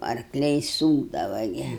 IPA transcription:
ɐrkˈlʲɛɪ ˈsuːɡdɐʋɐ ˈɡʲɪ

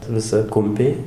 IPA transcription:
ʋʲɪˈsɐ ˈkʊmʲpʲɛɪ

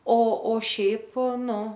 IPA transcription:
oː oː ˈʃʲɛɪp ˈnʊ

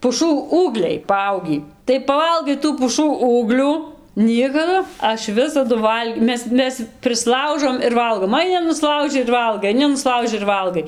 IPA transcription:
pʊˈʃuː ˈuːɡlʲɛɪ pɐˈɐʊɡʲiː tɐɪ pɐˈʋɐlˠɡɐɪ tuː pʊˈʃuː ˈuːɡlʲuː ˈnʲiɛkɐdʊ ˈɐʃ ˈʋʲɪsɐdʊ ˈʋɐlʲkʲ ˈmʲɛs ˈmʲɛs pʲrʲɪsˈlˠɐʊʒoːm ɪr ˈʋɐlˠɡoːm ɐɪˈnʲɪ nʊˈslˠɐʊʒʲɪ ɪr ˈʋɐlˠɡɐɪ ɐɪˈnʲɪ nʊˈslˠɐʊʒʲɪ ɪr ˈʋɐlˠɡɐɪ

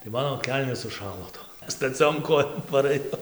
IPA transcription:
tɐɪ ˈmɑːnoː ˈkʲɛlʲnʲeːs sʊˈʃɑːlˠoː ˈtoːm stɐˈt͡sʲoːm ˈkoːjoːm pɐrɘˈjɛʊ

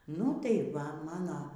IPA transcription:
nʊ tɐɪ ˈʋɐ mɐˈnɐ

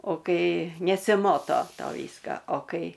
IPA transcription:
oː ˈkɐɪ nʲɛsʲɪˈmoːtoː ˈtoː ˈʋʲiːskɐ oː ˈkɐɪ

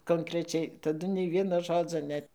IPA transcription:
koːŋkrʲɛˈt͡ʃʲɛɪ tɐˈdʊ nʲɛɪ ˈʋʲiɛnoː ˈʒoːd͡zoː ˈnʲɛt

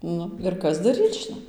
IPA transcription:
ˈnʊ ɪr ˈkɐs dɐˈrʲiːt͡s ʒʲɪˈnɐɪ

